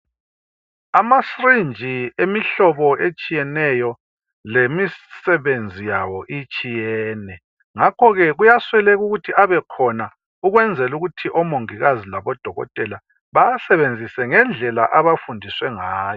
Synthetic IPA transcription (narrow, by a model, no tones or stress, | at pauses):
amasrind͡ʒʱiemiɬɔβɔet͡ʃʼijɛnɛjɔ | lemisɛβend͡zʱijawɔʔit͡ʃʼijɛːnɛ | ŋakʰɔɣɛɣujaswɛlɛɣuɣutʰiaβɛkʰɔna | uɣwɛnd͡zʱɛluɣutʰiʔɔmoŋiɣazilaβɔd̥ʱɔɣɔ̰tʼɛla | βajasɛβend͡zʱisɛŋɛnd͡ɮʱɛla̰ʔaβafundʱiswɛŋaːjɔ